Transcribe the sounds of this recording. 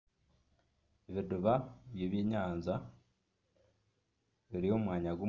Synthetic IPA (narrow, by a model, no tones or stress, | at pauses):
eβiduβaβjeβeːɲaːnza | βiɾihomwaːɲaɡo